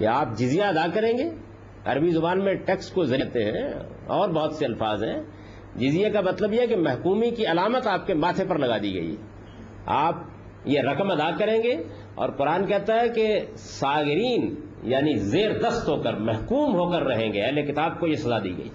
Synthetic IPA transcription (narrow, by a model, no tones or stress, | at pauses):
kḛaːp̚d͡ʒɪzijaɐd̪akɐɾẽːɡeː | ɐ̰ɾbizʊbaːnmẽʈeːkskozɐɾiɦt̪eɦɛ̰̃ | ɔːɾbɐɦʊt̪seɐlfaːzɦɛ̃ | d͡ʒɪzijakamɐt̪ləbjeɦɛkemɛɦkuːmikiɐlaːmət̪aːp̚kemaːt̪ʰepɐɾlɐɡaːd̪iɡɐ̰ḭɦɛ̰ | a̰ːp̚ | jeɾɐkəmɐd̪akɐɾẽːɡeː | ɔ̰ːɾqʊɾaːnkɛɦt̪aɦɛke | saːɡɪɾiːn | jaːnizeːɾd̪ɐst̪ɦoːkəɾmɛɦkuːmɦoːkəɾːɐɦẽːŋɡeɛɦlekɪt̪aːb̚kojesɐzad̪ḭːɡɐ̰ḭː